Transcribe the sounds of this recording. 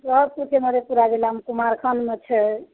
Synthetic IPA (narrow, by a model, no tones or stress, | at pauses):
ɾɔpukʰeməɾepuɾaɡelamkumaɾkʰənmet͡ʃʰɛ